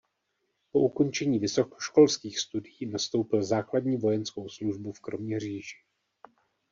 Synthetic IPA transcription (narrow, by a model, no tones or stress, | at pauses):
po̞ʔuko̞nt͡ʃɛɲiːvɪso̞ko̥ʃko̞lskiːxst̪udɪjiːnast̪o̞wpɪlzaːkladɲiːvo̞jɛnsko̞wsluʒbufkɾo̞mɲɛr̝iːʒɪ̥